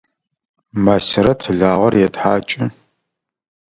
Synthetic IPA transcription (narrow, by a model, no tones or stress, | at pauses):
masɪɾɐtʰɨɮaːʁɐrjɛdħaːt͡ʃʼɪ